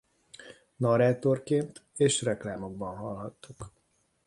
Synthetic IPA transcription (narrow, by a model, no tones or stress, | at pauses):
nɒɾaːt̪o̞rkeːnt̪eːʃrɛklaːmo̞ɡ̚bɒnɦɒlɦɒt̪ːuk